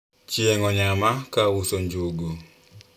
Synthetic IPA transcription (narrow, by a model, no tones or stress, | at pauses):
t͡ʃjeŋɔɲamakawusoɲd͡ʒuɡu